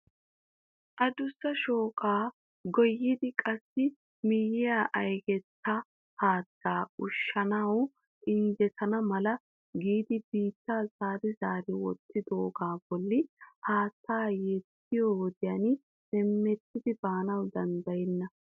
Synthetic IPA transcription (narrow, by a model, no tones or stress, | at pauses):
ʔɐd̪ʊsːɐʃo̞ːkʼaː | ɡɔjːɪd̪ɪkʼɐsːɪ | mɪjɪjaːʔɐjɡɛt̪ʰːɐ | haːd̪ːaːʊʃːɐnɐw | ʔɪnd͡ʒɛt̪ʰɐnɐmɐlɐ | ɡiːd̪ɪbiːt̪ːaːzaːɾɪzaːɾɪwɔ̰t̪ːɪd̪oːɡaːb̥ɔlːɪhaːt̪ːaːjɛt̪ːɪjoːwɔd̪ɪjan | sɛmːɛt̪ːɪd̪ɪbaːnɐwd̪ɐnd̪ɐjɛnːɐ